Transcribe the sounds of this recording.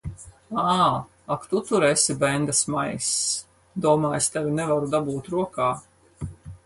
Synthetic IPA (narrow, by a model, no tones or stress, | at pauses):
aː | akt̪ut̪uɾɛsʲibɛnd̪asmajs | d̪uɔmaːjst̪avʲinɛvaɾud̪abuːt̪ɾuɔkaː